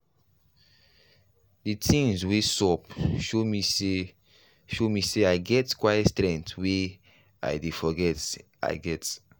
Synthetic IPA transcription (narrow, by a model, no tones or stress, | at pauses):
ditʰĩŋzwesɔpʃomise | ʃomiseaɪɡɛtkwajɛtstɾɛ̃ŋtwe | a̰ɪdefɔɡɛt | a̰ɪɡɛt